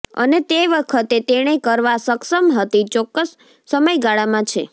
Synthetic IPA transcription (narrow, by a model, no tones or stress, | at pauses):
ə̰net̪eʋəkʰət̪et̪eɽ̃ekəɾʋasəksəmɦət̪it͡ʃɔkːəsː | əməjɡaɭamãt͡ʃʰe